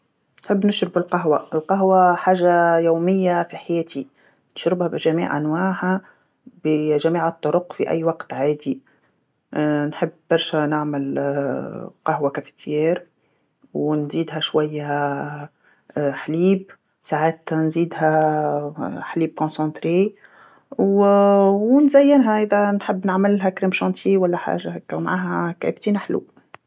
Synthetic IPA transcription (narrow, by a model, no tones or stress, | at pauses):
nħɪbːnʊʃɾɪbɪlqɑɦwaɪlqɑɦwaħaːʒajuːmɪjːafiħajɛːt̪i | nɪ̥ʃɾɪbhabɪʒæmḭːʕʔa̰nwaːʕha | bʒæmiːʕət̪ˤːʊɾʊqfiʔæ̰jːwɑqt̪ʕaːd̪i | nħəbːɑɾˤʃænɪʕmɪl | qɑɦwakæfɪ̥t̪ʰjɛːɾ | wnziːd̪ɦæʃwæjːæ | ħliːb | saʕaːt̪nziːd̪ɦæ | ħliːb̚kɔ̃sɑ̃t̪ɾe | wwnzæjːɪnɦæʔɪðænħɪbːnəʕmɪlɦækɾɪmʃɑ̃nt̪ʰiwælːæħa̰ːʒahɛkːæwmʕaːɦækʕɪ̰bt̪inaħlṵ